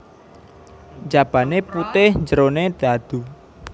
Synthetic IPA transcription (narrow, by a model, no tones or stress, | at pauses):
d͡ʒab̥a̤neput̪ɪhɲd͡ʒəɾoned̪̥a̤d̪̥u